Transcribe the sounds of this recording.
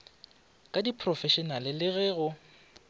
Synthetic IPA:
kʼadipʰrɔfɛʃɔnalɪlɪɣɛːɣʊ

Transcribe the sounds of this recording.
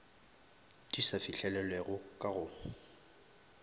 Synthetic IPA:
d̥isafiɬɛlɛlɛɣʊkʼaɣʊ

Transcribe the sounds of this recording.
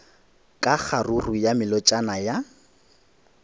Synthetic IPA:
kʼaχarurujamɪlɔt͡ʃʼanaja

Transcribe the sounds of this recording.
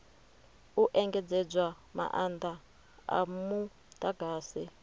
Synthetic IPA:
uʔɛŋɡɛd͡zɛd͡zwa | ma̰ʔand̪a | a̰mu | t̪ʼaɡʱaːsi

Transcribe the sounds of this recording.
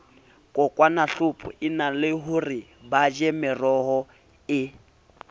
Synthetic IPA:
kʼɔkʼwanaɬʊpʼʊ̰ɪnalɪɦuri | bad͡ʒɛmɪrɔɦɔ | ɪ

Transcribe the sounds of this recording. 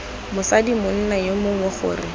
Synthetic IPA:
mʊsadimʊn̩najomʊŋʊχʊ̰ːrɪ

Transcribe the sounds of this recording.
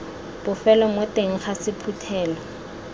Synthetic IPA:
b̥ʊfɛlɔmʊteŋ̩χasɪpʰutʰɛːlɔ

